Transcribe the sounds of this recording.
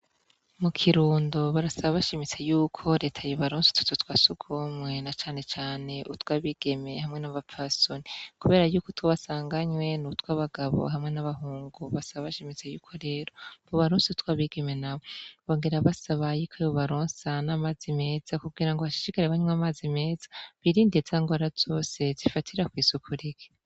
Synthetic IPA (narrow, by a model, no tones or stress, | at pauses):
mukʰiɾuːndo̞βaɾasaβaβaʃimit͡se̞juːkʰo̞ɾe̞ːtʰajoβaɾoːnse̥tu̥tutwasuɡʰomŋe̞nat͡ʃaːne̞t͡ʃaːne̞ʔutwaːβiɡ̥e̞mehamŋe̞naβap͡fasonikuβe̞ːɾajuːkotwaβasaːŋɡaɲwe̞nutwaβaɡaβo̰ɦamŋe̞naβaɦuːŋɡuβasaβaβaʃemezejuːkʰo̞ɾe̞ːɾo̞boβaɾõːnseutwaːβiɡe̞me̞naβoβo̞ːŋɡeɾaβasaβajikʰeβoβaɾoːnsanamazime̞ːz̥akuɡɡiːɾaŋɡoβaʃi̥ʃikaɾeβaɲumamazime̞ːzaβiɾindez̥aŋɡwaɾaz̥o̞ːse̞zifatʰiɾakwiːsukʰuɾiɡe̥